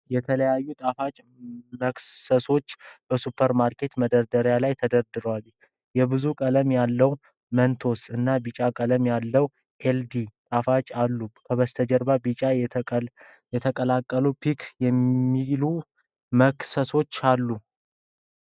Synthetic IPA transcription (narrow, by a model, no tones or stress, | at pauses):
jɛt̪ʰələjajːut̪ʼafat͡ʃʼ | məksəso̞t͡ʃːb̥əsupʰəɾmaɾkʰe̞t̪məd̪əɾd̪əɾjalajt̪ʰəd̪əɾd̪ɨɾwal | jɛbɨzukʼələmjalːəw | mənt̪ʰo̞sɨnːabit͡ʃʼakʼələmjalːəw | ʔeld̪it̪ʼafat͡ʃʼalːukʰəβəst̪ʰəd͡ʒəɾbabit͡ʃʼa | jɛt̪ʰəkʼəlakʼːəlupʰikʰjɛmːilu | məksəso̞t͡ʃːalːu